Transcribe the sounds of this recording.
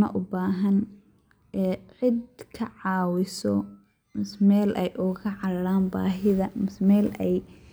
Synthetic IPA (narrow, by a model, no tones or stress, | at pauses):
mɐ̰ʔʊbaːɦɐn | ɛːʕɪd̪kʰɐʕɑːwɪsɔ | mɪsmɛːlʔɛjʔʊɣɐʕɑɾɐɽaːnba̰ːɦɪðɐmɪsmɛːlɛj